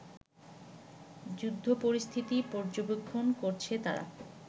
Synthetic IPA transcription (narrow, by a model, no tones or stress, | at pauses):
d͡ʑud̪ʱːopoɾist̪ʰit̪ipɔɾd͡ʑobekʰːonkoɾt͡ɕʰet̪a̰ɾa̰